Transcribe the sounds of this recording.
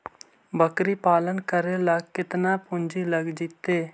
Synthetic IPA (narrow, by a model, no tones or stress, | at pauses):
bəkɾiːpaːlənkəɾeːlaɡkɪt̪naːpʊnd͡ʒiːləɡd͡ʒit̪ːeː